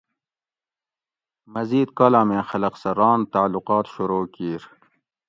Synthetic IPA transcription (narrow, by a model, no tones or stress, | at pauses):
mɐziːd̪̚kalaːmẽːxɐlɐqsɐɾɑːnt̪aːluqɑːt̪ʃuɾoːkiːɾ